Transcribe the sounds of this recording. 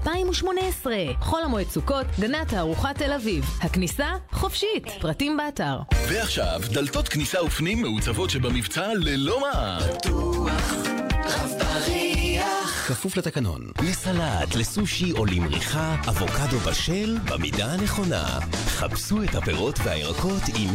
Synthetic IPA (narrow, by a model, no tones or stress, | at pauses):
paimuʃmo̞neesʁeχo̞lamoet͡suko̞tɡanathaːʁuχate̞lavivhaknisaχo̞fʃitpʁatimbeataʁveaχʃa̰vd̪alt̪o̞t̪knisaufnimːeut͡savo̞tʃebamivt͡salelo̞maʔat̪ua | aaʁiakafuflat̪akano̞̰nlesalatlesuʃio̞limʁḭχaavo̞kado̞baʃe̞lba̰midaaneχo̞na̰χapsuetapeʁo̞tvea̰jʁa̰kʰo̞t̪im